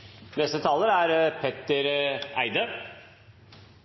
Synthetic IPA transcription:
nɛst̪ət̪ʰɑːləɾæɾpʰɛt̪əɾæɪd̪əɾ

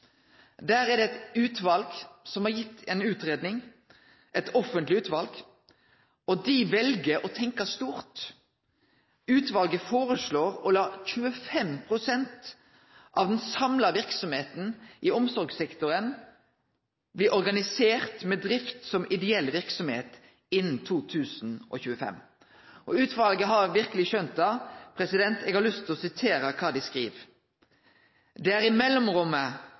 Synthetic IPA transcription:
d̪æːɾɛd̪ɛɛt̪ʉːt̪ʋɑlɡ̥sɔmhɑɾjɪt̪ːɛnʉːt̪ʁeːd̪nɪŋ | ʔɛt̪ʰɔfənt̪lɪʉːt̪ʋɑlɡ̥ | ɔd̪ɪʋɛlɡəɾɔt̪ʰɛŋkəst̪uːɾt̪ | ʉːt̪ʋɑlɡəfoːʁəsloːʁɔlɑːçʉəfɛmpʰʁʊsɛnt̪ | ʔɑʋd̪ɛnsɑmlɑʋɪʁksɔmheːt̪n̩ʔɪɔmsɔɾɡsɛkt̪ʊɾən | blɪːʔɔɾɡɑnɪseːʁt̪mɛd̪ɾɪft̪sɔmʔɪd̪ɛɛlʋɪʁksɔmhḛːt̪ | ɪnːn̩t̪ʰuːt̪ʰʉːsn̩ʔɔ̰çʉːəfɛ̰m | ʔɔʉːt̪ʰʋɑlɡəɦɑɾʋɪʁkəlɪçœnt̪ɑpʰɾɛsɪd̪ɛnt̪eɡhɑɾlʉst̪ʰːɪlɔsɪt̪ʰeːɾəkʰɑːd̪ɪskʁiːʋ | d̪ɛːæːɾɪmɛlːɔmʁʊmːə

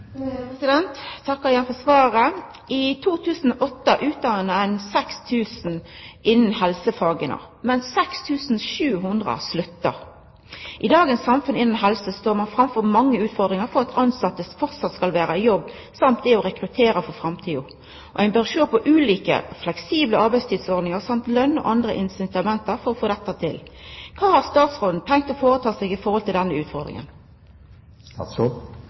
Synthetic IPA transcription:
sɪd̪ɛnt̪ʰːɑkːɑjænfɔsʋɑːɾə | ɪt̪ʰuːt̪ʰʉːsn̩ɔʔɔt̪ːəʔʉːt̪̚d̪ɑːənəæɪnsɛkst̪ʰʉːsn̩ɪnːn̩ɦɛlsəfɑːɡənə̰ | mɛnssɛkst̪ʰʉːsn̩ʃʉːɦʉnd̪ʁə̰slʉt̪ːə̰ɾ | ʔɪd̪ɑːɡənsːɑmfʉnɪnːn̩ɦɛlsəst̪oːɾmɑnfɾɑmfɔɾmɑŋːəʉːt̪fɔʁd̪ʁɪŋəɾfɔʁɑt̪ʰɑnsɑt̪ːəsfɔʁt̪sɑt̪skɑlʋæːɾəjɔbː | sɑmt̪̚d̪ɛɔɾɛkʁʉt̪ʰeːɾəfɔʁfʁɑmt̪ʰiːʊ | ʔɔ̰æɪnbøʁʂoːpʰɔʔʉːliːkə̰flɛksiːbləɑʁbæɪst̪ʰiːd̪sɔʁd̪nɪŋəʁsɑmt̪lœnːɔ̰ʔɑnd̪ʁə̰ʔɪnsɪt̪ɑmɛnt̪əʁfɔɾɔfoːd̪ɛt̪ːət̪ʰɪlkʰɑːhɑʁst̪ɑːt̪sʁoːd̪nt̪ʰɛŋk̚t̪ɔfoːʁət̪ʰɑːsɛːɡɪfɔɾʁhɔlt̪ʰɪld̪ɛnːəʉːt̪fɔʁd̪ʁɪ̰ŋə̰n

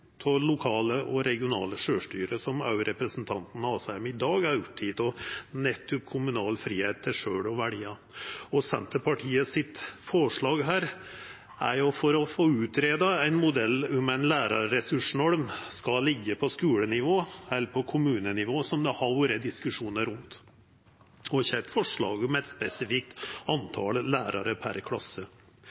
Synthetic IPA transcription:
pʰɔlʊkʰɑːləʔɔɾɛɡɪʊnɑ̰ːləʂøːʂʈyːɾəsɔmɑ̰ʉɾɛpɾəsnt̪ʰɑnt̪n̩ɑsɑmɪd̪ɑːɡæɾʊpt̪ʰːiːt̪ɔnɛt̪ʰːʊkʰʊmʉnɑːlfɾiːheːt̪ːɪʂøːɽɔʋæɖiːɑ | ɔsɛ̰nt̪əpʰɑʈʰiːəsɪt̪fɔʂɭɑːɡɦæːɾ | æ̰ɾjʊfɔɾɔfoːʉːt̪ʰɾeːd̪ɑæɪnmʊd̪ɛlːʊmæɪnlæːɾɑɾɛsʉʂnɔɽmskɑlɪɡːəpʰɔskʉːɽənɪʋoːɛlːɾpʰɔkʰʊmʉːnənɪʋoːsɔmd̪ɛhɑʋuːɾəd̪ɪskʉʂuːnəɾʉnt̪ | ɔçɛt̪fɔʂɭɑ̰ːɡʊmɛɛt̪spɛsɪfɪk̚t̪ɑnt̪ʰɑ̰llæːɾɑɾəpʰæ̰ɾkʰlɑ̰sːə

